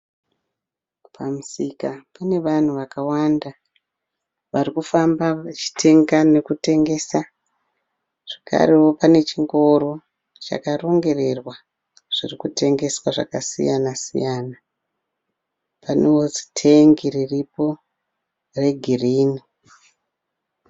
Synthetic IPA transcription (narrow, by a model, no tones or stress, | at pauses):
pʰamusikapane̞ʋan̤uʋakawanda | ʋarikufambaat͡ʃi̥tʰe̞ŋɡane̞kute̞ŋɡe̞sa | ʐ̥ekʰa̰ɾewo̞pane̞t͡ʃiŋɡo̞ɾo̞ | t͡ʃa̰karo̞ŋɡe̞re̞rwa | ʐ̥irikute̞ŋɡe̞swaʐa̰kasḭjanasḭjaːna | panewozi̥tʰeŋɡiriripo̞ | re̞ɡʱiriːni